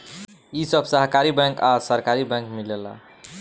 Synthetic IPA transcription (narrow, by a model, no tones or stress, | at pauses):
isəbʱsəɦkaɾibɛ̃ŋkasəɾkaɾibɛ̃ŋkmilela̰